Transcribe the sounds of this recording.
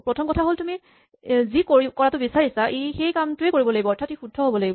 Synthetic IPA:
pɹɔtʰɔmkɔtʰaɦoltumi | zikoikɔɹatʊbisaɹisaʔejxejkamtʊekoɹibɔlaɡibɔɔɹtʰatixudʱɔɦobɔlaɡib

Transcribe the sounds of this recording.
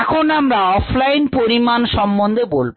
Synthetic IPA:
ɛkʰonamɾaɔfʰlajnpoɾimanʃɔmbond̪ʱebolb

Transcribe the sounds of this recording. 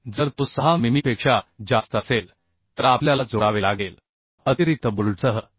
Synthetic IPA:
d͡zəɾt̪usəɦamimipekʂad͡zast̪əəsel | t̪əɾapljalad͡zoɽaʋelaɡel | ət̪iɾit̪əbult͡səɦə

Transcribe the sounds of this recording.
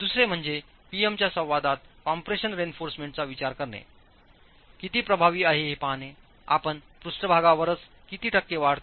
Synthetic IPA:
d̪usɾem̤əɳd͡ze | piemt͡ɕjasə̃w̃ʋad̪at̪̚kampɾeɕənɾenfoɾsmẽɳʈ̚t͡saʋit͡ɕaɾkəɾɳḛ | kit̪iːpɾəbʱaʋiːaɦeɦepane | a̰pəɳpɾusʈəbʱaɡaʋəɾət͡s | kit̪iːʈʰəkːeʋaɽt̪

